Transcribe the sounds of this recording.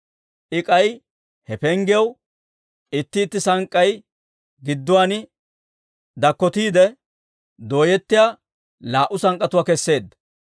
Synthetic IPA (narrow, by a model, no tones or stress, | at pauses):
ʔɪkʼɐj | hɛpɛŋɡɪjɐw | ɪt̪ːɪːt̪ːɪsɐŋkʼːɐj | ɡɪd̪ːʊwaːnɪ | d̪ɐkːɔt̪iːd̪ɛ | d̪o̞ːjɛt̪ːɪjaː | laːʔʊsɐŋkʼːɐt̪ʊwaːkɛsːe̞ːd̪ːɐ